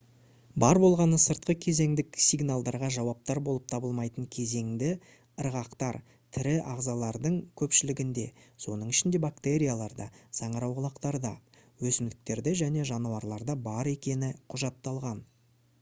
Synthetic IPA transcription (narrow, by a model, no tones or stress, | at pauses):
bɑɾbo̞lˠʁɑnəsəɾt̪̚qəkʲʰe̞ze̞ŋd̪ɪksijɡnalˠd̪ɑɾʁɑʒɑwɑp̚t̪ɑɾbo̞lˠəpt̪ʰɑbəlˠmɑjt̪əɴkʲʰe̞ze̞ŋd̪ɪ | əɾʁɑqt̪ɑɾ | t̪ʰɪɾɪʔɑʁzɑlˠɑɾd̪əɴkʲʰɵpʃɪlɪɡʲɪnd̪e̞so̞nəɴɪʃɪnd̪e̞bakt̪e̞ɾʲijalˠɑɾd̪ɑsɑɴəɾɑwʁəlˠɑqt̪ɑɾd̪ɑ | wɵsɪmd̪ɪk̚t̪e̞ɾd̪eʒæne̞ʒɑnuwɑɾlˠɑɾd̪ɑbɑɾe̞kʲe̞nɪqʰʊʒɑt̪ːɑlˠʁɑn